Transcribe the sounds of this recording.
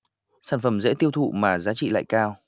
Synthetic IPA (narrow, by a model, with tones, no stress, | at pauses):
saː˧˩nfə˨˩mzḛ˧˥t̪i˧əwt̪ʰṵ˧˨maː˨˩zaː˨˦t͡ɕḭ˧˨la̰ː˧˨jkaː˧w